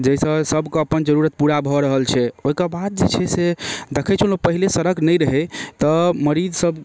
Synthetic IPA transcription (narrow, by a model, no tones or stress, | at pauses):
d͡ʒɛjsə̃səbʱkeəpənd͡ʒəɾuɾət̪̚puɽabʱɔɾəɦəlt͡ʃʰɛoɦikəbad̪̚d͡ʒet͡ʃʰɛsed̪ekʰɛt͡ʃʰuləpəɦilesəɾəknəjɾəɦɛt̪ɔməɾid͡ʒsəb